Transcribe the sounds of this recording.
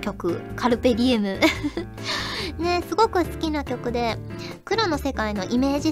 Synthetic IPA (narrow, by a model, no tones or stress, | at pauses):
kʲo̞kɯ̟kʰaɾɯ̟pe̞ɾʲiemɯ̟ | ne̞sɨɡo̞kɯ̟sɨ̥kʲinakʲo̞kɯ̟d̪e̞ | kɯ̟ɾo̞no̞se̞kaino̞ʔime̞ːʑi